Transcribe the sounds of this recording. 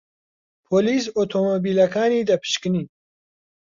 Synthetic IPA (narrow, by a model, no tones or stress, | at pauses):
pʰoːliːs̬ot̪ʰoːmobiːlɐkaːniːd̪ɐpʰɨ̥ʃkɨniː